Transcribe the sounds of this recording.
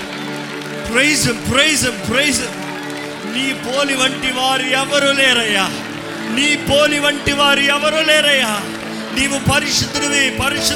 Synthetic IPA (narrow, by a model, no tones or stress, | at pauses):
pɾejzɐmpɾejzɐmpɾejzɐm | niːpoːliʋɐɳʈːiʋaːɾɯɛʋɐɾoleːɾɐjaː | niːpoːliʋɐɳʈːiʋaːɾɯjɛʋɐɾoleːɾɐjaː | niːʋũpɐɾɪʂut̪ːɯɾɯʋeːpɐɾɪʂ